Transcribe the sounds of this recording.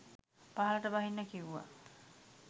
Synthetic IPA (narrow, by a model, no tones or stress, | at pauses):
paɦaləʈəbaɦinːəkiuːa̰